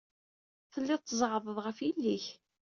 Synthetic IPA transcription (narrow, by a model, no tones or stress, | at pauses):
θəlːɪðt̪ːəzˤʕðˤəðˤʁəfjilːiç